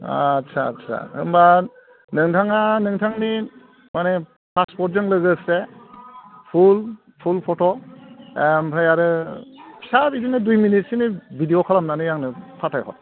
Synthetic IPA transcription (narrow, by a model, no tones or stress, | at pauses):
a̰ːtsʰa̰tsʰa̰hɯ̰mba | nɯŋtʰaŋanɯŋtʰaŋni | mane | pʰaspɔɾt̚zɯŋlɯɡɯse | pʰul | pʰulpʰotʰoempʰajaɾɯ | saɾidinɯdujminit̚sinibidiokʰalamnanɯjaŋnɯpʰatʰajɦo̰j